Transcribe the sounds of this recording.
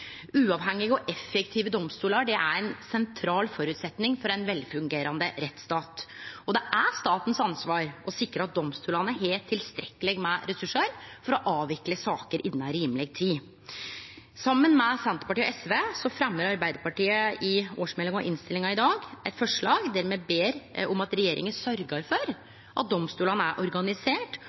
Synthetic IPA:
ʉːɑʋhɛŋːɪɡəɔʔɛfːɛkt̪ʰiːʋəd̪ɔmst̪uːlɑɖɛʔæ̰ɾɛɪnsɛnt̪ʰɾɑːlfɔɾʉːt̪sɛt̪nɪŋfɔɾɛnʋɛlfʉŋɡeːɾɑnd̪əɾɛt̪st̪ɑːt̪ɔd̪ɛʔæst̪ɑːt̪n̩sɑnsʋɑːɾɔsɪkɾəɾɑt̪̚d̪ɔmst̪uːlɑnəɦeːlt̪ʰːɪlst̪ɾɛkːəlɪɡmɛɾɛsʉʂəɾfɔɾɔʔɑːʋɪkləsɑːkəɾʔɪnːɑɾiːmlɛɡ̚t̪ʰːiː | sɑmːənmɛsɛnt̪ə̥pɑʈiːɔɛsʋeːsɔfɾɛmːəɾɑɾbæɪd̪əɾpɑʈiːəɪoːʂmɛlːɪŋɔ̰ʔɪnst̪ɪlɪŋɑɪd̪ɑːɡʔɛt̪fɔʂɭɑːɡd̪æɾmeːbeːɾɔmɑt̪ɾɛjeːɾʔɪ̰ŋənsœɾɡɑɾfɔɾ | ʔɑt̪̚d̪ɔmst̪uːlɑnəæɾʔɔɾɡɑnɪseːʈ

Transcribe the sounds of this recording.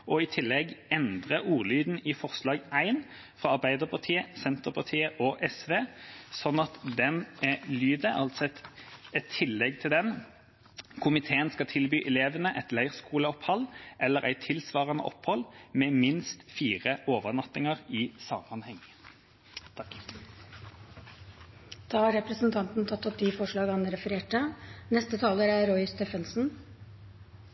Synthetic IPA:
ɔɪt̪ʰɪlːɛɡɛnd̪ʁəuːʁlyːd̪n̩ɪfɔʁslɑːɡæɪn | fɾɑɑʁbæɪd̪əʁpʰɑʁt̪ʰiːəsɛnt̪əʁpʰɑt̪ʰiːəʔɔʔɛsʋeːsɔnːɑt̪d̪ɛnɛlyːd̪əʔɑlt̪sɔɛt̪ɛt̪ʰːɪlːɛɡt̪ʰɪld̪ɛn | kʰʊmɪt̪ʰeːənskɑt̪ʰɪlbyːʔɛleːʋənəʔɛt̪læɪʁskuːləɔphɑlʔɛlːəʁæ̰ɪt̪ʰɪlsʋɑːʁɑnə̰ʔɔphɔlːmɛːmɪnst̪fiːʁəʔoːʋənɑt̪ɪŋəʁɪsɑmɑnhɛŋː | d̪̥ɑːhɑɾɛpɾəsnt̪ʰɑnt̪n̩t̪ʰɑt̪ːɔp̚d̪ifɔʂɭɑːɡɑnːəɾɛfəɾeːʈənɛst̪ət̪ʰɑːləɾæɾɔɪst̪ɛfənsn̩

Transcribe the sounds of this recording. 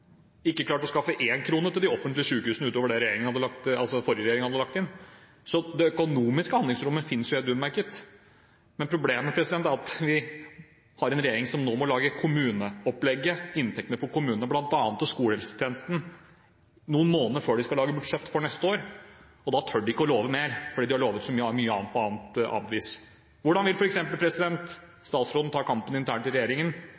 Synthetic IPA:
ɪkːəklɑːʈɔskɑfːəʔeːnkʰɾuːnəʈ̪ɪld̪ɪɔfənt̪lɪəʂʉːkəhʉːsnəʉːt̪oːʋəɖɛɾɛjeːɾɪŋənhɑd̪ːəlɑkt̪ɑlsɔfɔɾjəɾɛjeːɾɪŋəhɑd̪əlɑk̚t̪ɪnː | sɔd̪ɛœkʊnuːmɪskəhɑnd̪lɪŋsɾʊmːəfɪnːsjʊhɛt̪ʉːd̪mæɾkət̪ | mɛnpʰɾʊbleːməmɛpʰɾɛsɪd̪ɛnt̪æɾɑt̪ʋɪ | hɑɾɛnɾɛjeːɾɪŋsɔmnoːmɔlɑːɡəkʰʊmʉːnəɔplɛɡːəɪnt̪ʰɛkt̪nəfɔɾkʊmʉːnənəblɑnt̪ɑːnət̪ɔskuːləhɛlsə̥t̪ʰjeːnəst̪n̩ | nuːənmoːnəɾføːɖɪskɑlɑːɡəbʉɖʂɛt̪ːfɔɳɛst̪əoːɾ | ɔd̪ɑt̪ʰœɖɪɪkːəɔloːʋəmeːɾfɔɖiːd̪ɪhɑɭoːʋət̪sɔmyːəæɾmyːəɑ̰ːnpʰɔɑːnt̪ɑ̰ːʋiːs | ʋʊɖɑnʋɪlfɔɾɛksɛmpəlpʰɾɛsɪd̪ɛnt̪ | st̪ɑːt̪sɾoːd̪n̩t̪ʰɑːkʰɑmpənɪnt̪ʰæːɳʈɪlɾɛjeːɾɪŋən

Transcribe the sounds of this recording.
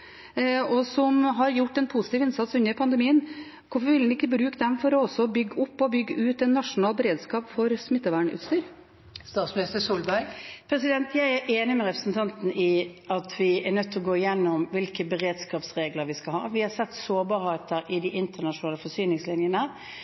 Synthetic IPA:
ɔsɔmɦɑɾjʊʈːɛnpʰusɪt̪iːʋɪnsɑt̪sʉnːəɾpʰɑnd̪əmiːən | kʰʊfɔɾʋɪlɪkːəbɾʉːkəd̪ɛmfɔɾɔɔsːɔbʏɡːəʊpːɔbʏɡːəʔʉːt̪ɛt̪nɑʂʊnɑːlbəɾeːd̪skɑːpfɔɾsmɪt̪ːəʋæːɳʉ̰ːt̪st̪yːɾ | st̪ɑːt̪smɪnɪst̪əsuːlbæɾɡpʰɾɛsɪd̪ɛnt̪ʰjæɪæɾʔeːnɪmɛɾɛpɾə̥sn̩t̪ʰɑnt̪n̩ɪɑt̪ʰʋɪɛnœt̪ːɔɡoːɪjɛnːʊmʋɪlkəbəɾeːd̪skɑːpsʁeːɡləɾʋɪskɑlhɑ̰ːʋɪhɑsɛt̪ːsoːbɑːɾheɪt̪əɾʔɪd̪ɪʔɪnt̪əɳɑʂʊnɑːləfɔsyːnɪŋslɪnjənə

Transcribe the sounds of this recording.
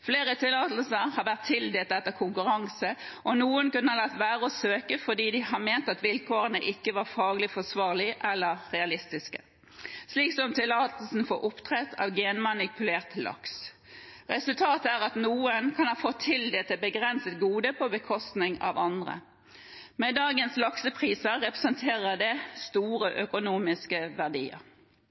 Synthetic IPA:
fleːʁət̪ʰɪlːɑːt̪l̩səʁhɑʁʋæʁt̪ʰːɪld̪eːlt̪ɛt̪ːəkʰʊŋkʉʁɑŋsə | ʔɔnuːənkʉnːəhɑlɑt̪ːʋæːʁəɔsøːkəfɔd̪iːd̪ɪhɑmeːnt̪ɑt̪ʋɪlkʰoːʁənəʔɪkːəʋɑʁfɑːɡlɪfɔsʋɑːʁlɪʔɛlːəʁʁɛɑlɪst̪ɪskə̥ | sliːksɔmt̪ʰɪlːɑːt̪l̩sn̩fɔːɾʔʊpt̪ʰʁɛt̪ʰɑ̰ːʋɡeːnmɑnɪpʉleːʁt̪lɑ̰ks | ʁɛsʉlt̪ʰɑːt̪æʁɑt̪nuːənkʰɑnhɑːfɔt̪ʰːɪld̪ɛt̪ɛbəɡʁɛnsət̪ɡuːd̪əpʰɔbəkʰɔst̪nɪŋɑ̰ʋɑnd̪ʁə̰ | med̪ɑːɡənslɑksəpʰʁiːsəʁɛpʁəsənt̪ʰeːʁəd̪ɛst̪uːʁəʔœkʊnuːmɪskəʋæʁd̪ḭːə̰ʁ

